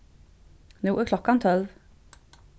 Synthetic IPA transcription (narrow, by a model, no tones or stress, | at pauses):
nuːʔəklɔkɑnt̪ʰɔlʋ